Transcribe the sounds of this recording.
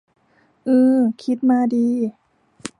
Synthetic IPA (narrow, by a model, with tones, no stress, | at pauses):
ʔɯː˧kʰi˦˥t̪̚maː˧diː˧